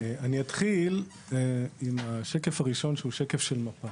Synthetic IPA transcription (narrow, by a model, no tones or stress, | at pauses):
aniat̪χil | imaʃe̞kefaʁiʃo̞nʃeuʃekefʃelmapa